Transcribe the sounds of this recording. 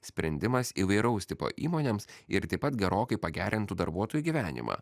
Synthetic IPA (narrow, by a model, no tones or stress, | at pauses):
sʲpʲɾʲɛnʲd̪ʲɪmɐsiʋɐɪɾɐʊsʲt̪ʲɪpo̰ːʔḭːmoːnʲeːmsɪɾt̪ɐɪpɐt̪ɡʲɛɾoːkɐɪpɐɡʲæːɾʲɪnt̪ud̪ɐɾbuɔt̪oːjuːɡʲiʋʲæːnʲɪ̰mʔɑ̰ː